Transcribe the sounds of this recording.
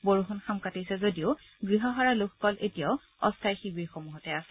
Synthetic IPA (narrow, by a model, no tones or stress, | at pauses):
boɹuɦunxamkatijsɛzodiʊ | ɡɹiɦɔɦaɹalʊkʰɔ̥kɔlʔetijaʊ | ɔstʰajxibiɹxomuɦɔtɛasɛ̥